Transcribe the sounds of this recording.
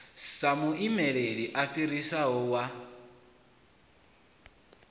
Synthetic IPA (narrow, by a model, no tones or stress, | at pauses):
samuʔimɛɺeɺiʔafiɾisaɦɔwa